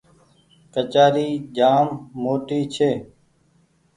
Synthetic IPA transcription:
kət͡ʃaːɾiːd͡ʒaːmːoːʈiːt͡ʃʰeː

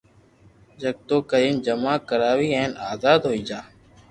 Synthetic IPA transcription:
d͡ʒəɡ̚t̪oːkəɾiːmd͡ʒəmãːkəɾaːʋiːɛ̃ːnaːzaːd̪ɦoːiːd͡ʒaː

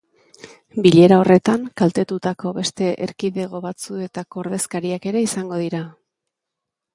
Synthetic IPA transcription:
biʎe̞ɾao̞re̞t̪aŋkalt̪e̞t̪ut̪ako̞βe̞st̪e̞ʔeɾkiðe̞ɣ̞o̞βat͡sue̞t̪ako̞ːɾðe̞skaɾiake̞ɾe̞isaŋɡo̞ð̞iɾa

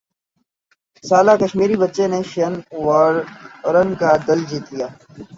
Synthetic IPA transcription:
saːlakɐʃmiːɾibətːʃeneʃənwaːɾɾənkad̪ɐld͡ʒiːt̪lijaː

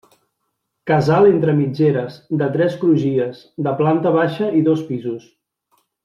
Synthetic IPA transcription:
kəzalˠent̪ɾəmid͡ʒeɾəzd̪ət̪ɾɛskɾuʒiəz | d̪əplant̪əβ̞aʃəiðospizus

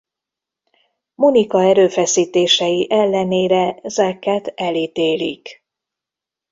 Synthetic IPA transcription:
munikɒɛɾøːfɛsiːt̪eːʃɛjiʔɛlːɛneːɾɛzɛkːɛt̪ɛlit̪eːlḭk

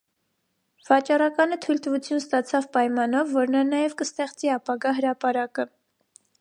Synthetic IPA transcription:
v̥ɑt͡ʃɑrɑkɑnət̪ʰujlt̪əvut͡sʰjunst̪ɑt͡sʰɑvpɑjmɑnɔvːɔɾnɑnɑjɛvkəst̪ɛχt͡siɑpɑɡɑɦəɾɑpɑɾɑkə

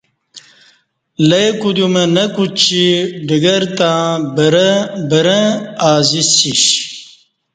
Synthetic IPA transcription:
lɐjkud̪umɐnɐkut͡ɕiɖiɡɐɾt̪ãbəɾɐbɐɾɐ̃aːzisiɕ

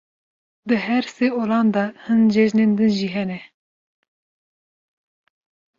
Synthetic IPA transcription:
d̪ɨɦɛɾseoːlɑːnd̪ɑhɨnd͡ʒɛʒneːnd̪ɨnʒiːɦɛnɛ

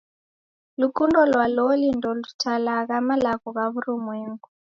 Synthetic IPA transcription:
lukundɔlwalolindɔlutʰalaɣamalaɣuɣaβuɾumeːŋɡu

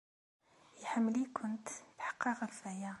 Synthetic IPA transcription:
jħəmːlikʰʊnt̪t̪ħɑ̥qːɑqafæja

